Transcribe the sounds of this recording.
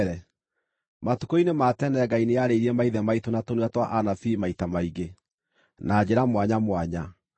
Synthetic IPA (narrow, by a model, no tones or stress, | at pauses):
ɾɛ | matukoinematɛnɛɡaineaɾeiɾiɛmaiðɛmaitonatonuatwaʔanafimaitamaiɡe | nad͡ʑeɾamwaɲamwaɲa